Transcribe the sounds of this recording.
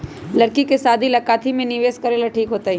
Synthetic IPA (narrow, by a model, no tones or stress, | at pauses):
lɐɾkikesaːd̪ʱilɐkaːt̪ʰimẽnɪʋeːskɐɾelaʈʰiːkɦoːt̪aːɦi